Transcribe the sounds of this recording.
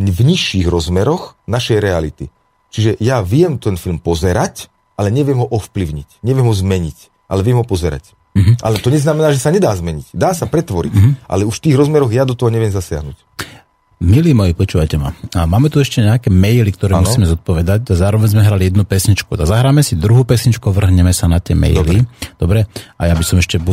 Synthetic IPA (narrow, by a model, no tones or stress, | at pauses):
vɲiʃːiɣɾɔzmɛɾɔxnaʃɛjɾɛalḭt̪i | t͡ʃiʒɛjaʋɪɛmt̪ɛnfilmpɔzɛɾac | ʔalɛɲɛʋɪɛmɦɔʔɔfpliʊɲicɲɛʋɪɛmɦɔzmɛɲic | ʔa̰lɛʋɪɛmɦɔpɔzɛɾa̰c̩ː | ɦʔa̰lɛt̪ɔɲɛznamɛnaːʒɛsaɲɛd̪aːzmɛɲicd̪aːsapɾɛt̪ʋɔɾḭcʔa̰lɛuʃft̪iːɣɾɔzmɛɾɔɣjad̪ɔt̪ɔɦɔɲɛʋɪɛmzasɪa̰ɦnṵc | miliːmɔjipɔt͡ʃuːʋajcɛma̰maːmɛt̪uɛʃcɛɲɛakɛmɛjlik̚t̪ɔɾɛːmusiːmɛzɔt̪̚pɔʋɛd̪acazaːɾɔʋɛɲzmɛɦɾalijɛd̪nupɛsɲit͡ʃkut̪azaɦɾaːmɛsid̪ɾuɦuːpɛsɲit͡ʃkuʋr̩ɦɲɛmɛsanat̪ɪɛmɛ̰jlid̪̥ɔbɾɛajabisɔmɛʃcɛbu